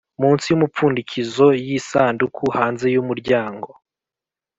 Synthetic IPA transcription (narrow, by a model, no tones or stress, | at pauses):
muːnsijumup͡fuːndicizo̞jisaːndukʰuhaːnze̞jumuɾɟaːŋɡo̞